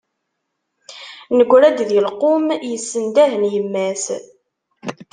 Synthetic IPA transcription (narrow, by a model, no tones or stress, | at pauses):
nəɡʷːɾæd̪ðilqomjəsːənd̪æɦənjəmːæs